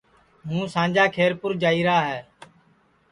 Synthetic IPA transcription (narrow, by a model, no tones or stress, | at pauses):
ɦũːsãːnd͡ʒaːkʰeːɾpʊɾd͡ʒaːiːɾaːɦɛː